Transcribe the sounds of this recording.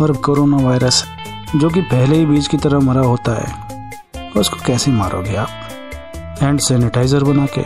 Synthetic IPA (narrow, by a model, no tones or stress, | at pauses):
ɐɾbkoːɾoːnaʋaːɪɾəs | d͡ʒoːk̬ipɛɦleɦibiːt͡ʃkit̪ɐɾəmɐɾaɦoːt̪aɦɛ̰ː | t̪oʊsko̥kɛːsema̰ːɾʔo̰ːɡiaːp | ɛ̃ːɳɖsɛːnɪʈaːɪzəɾbɐnaːkḛː